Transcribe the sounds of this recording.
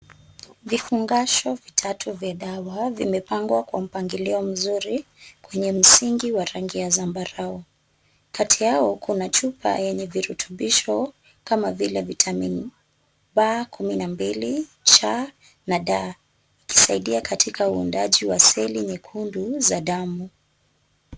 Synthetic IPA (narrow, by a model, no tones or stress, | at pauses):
vifuŋɡaʃɔvitʰatʰuvjaɗawavimɛpaŋɡwakwam̩paŋɡilɛɔm̩zuɾikwɛɲɛm̩siŋɡiwaɾaŋɡiazambaɾaɔ | katʰijaɔkʰunat͡ʃupa̰jɛɲɛviɾutʰuɓiʃɔ | kamavilɛvitʰamin | ɓakʰuminambilit͡ʃa | naɗa | iki̥saiɗiakatʰikʰauundaʄiwasɛliɲɛkʰunduzaɗamu